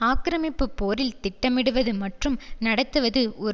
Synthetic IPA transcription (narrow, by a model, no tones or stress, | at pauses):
aːkɪɾɐmɪpːɯpːoːɾɪlt̪ɪʈːɐmɪɽɯʋɐðɯmɐʈrɯmnɐɽɐt̪ːɯʋɐðɯʔɔ